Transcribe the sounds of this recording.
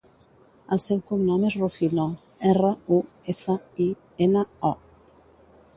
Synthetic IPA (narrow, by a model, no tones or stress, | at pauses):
alsewkuŋnɔmesrufino | ɛrau | efai | enaɔ